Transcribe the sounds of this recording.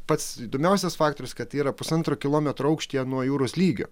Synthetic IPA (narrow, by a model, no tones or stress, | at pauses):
pɐt̪siːd̪oːmʲɛʊsʲɛsfɑːkt̪oːɾʲʊskɐt̪iːɾɐpʊsɐnt̪ɾoːkʲɪlˠoːmʲɛt̪ɾoʊɐʊkʃʲt̪ʲiɛnuɔjuːɾoslʲiːɡʲo̰